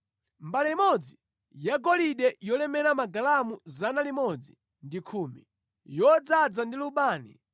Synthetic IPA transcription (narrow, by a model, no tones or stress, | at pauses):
mbalɛimɔd͡zi | jaɡɔliɗɛjɔlɛmɛɾamaɡalamuzanalimɔd͡zi | ndikʰuːmḭ | jɔd͡zad͡zandiluɓaːnḭ